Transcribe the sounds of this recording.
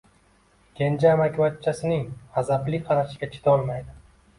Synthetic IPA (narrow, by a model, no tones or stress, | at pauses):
ɡʲend͡ʒamakʲʰwat̪t͡ʃʰːasɪnɪŋhazaplɪqʰɑɾaʃɪɡʲat͡ʃʰi̥t̪ʰɒlˠmajd̪ɪ